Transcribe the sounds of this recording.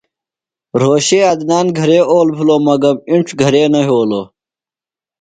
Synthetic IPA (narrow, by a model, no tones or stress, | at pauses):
ɾoːɕeːɐd̪naːnɡʱɐɾeːoːlpʰuloːmɐɡɐmiɳʈ͡ʂʰɡʱɐɾeːnɐɦoːloː